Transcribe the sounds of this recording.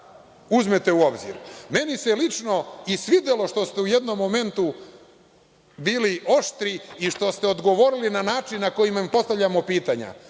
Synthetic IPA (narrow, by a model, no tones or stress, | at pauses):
uzmet̪e̞uo̞bzḭɾme̞niselit͡ʃno̞isʋid̪elo̞ʃt̪o̞st̪e̞ujed̪no̞mːo̞me̞nt̪u | biːliʔo̞ʃt̪ɾiiʃt̪o̞st̪e̞o̞d̪ɡo̞ʋo̞ɾilinanaːt͡ʃinːako̞jimampo̞st̪avʎʲamo̞piːt̪aɲa̰